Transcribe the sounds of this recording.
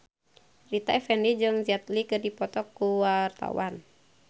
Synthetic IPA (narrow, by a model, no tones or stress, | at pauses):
rit̪aɛfɛnid͡ʒɨŋziat̪likɨrdipɔt̪ɔkːuwart̪a̰wan